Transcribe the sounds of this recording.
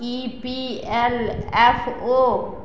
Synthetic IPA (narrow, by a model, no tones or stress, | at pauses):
ipiɛlɛfoː